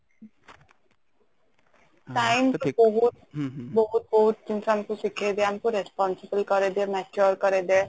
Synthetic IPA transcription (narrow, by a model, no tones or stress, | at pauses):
ʈaɪmbɔɦut̪̚bɔɦut̪̚bɔɦut̪̚d͡ʒinsaːmkosikʰed̪eaːmkoɾespɔːnsɪbəlkɔɾed̪eːmɛt͡ʃoɾkɔɾed̪eː